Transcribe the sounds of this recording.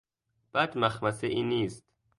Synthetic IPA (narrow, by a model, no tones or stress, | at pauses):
b̥æd̪mæxmæseʔiːniːst̪